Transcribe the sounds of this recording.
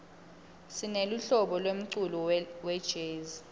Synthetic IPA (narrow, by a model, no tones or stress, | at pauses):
sineluɬɔɓɔlwem̩ǀulɔwɛd̥ʒ̥ʱeːzi